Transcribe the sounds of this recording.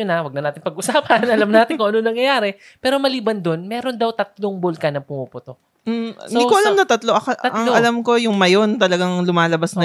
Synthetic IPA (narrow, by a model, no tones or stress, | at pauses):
ʊnawɐɡ̚nɐnaːt̪ɪnpɐɡʔʊsaːpɐnʔɐlɐmnaːt̪ɪnkoŋʔɐnonɐŋjɐjaːɾɛ | pɛːɾomɐliːbɐnd̪onmɛːɾo̞nd̪ɐwt̪ɐt̪̚loŋbʊlkɐnɐŋpʊmupʊt̪ok̩̚ː | d̪ikoʔɐlamnɐt̪ɐt̪loʔɐkʔ̪ʔɐŋoʔɐlɐmko̞jʊŋmɐjo̞nt̪ɐlɐɡaŋlʊmaːlɐbasnɐ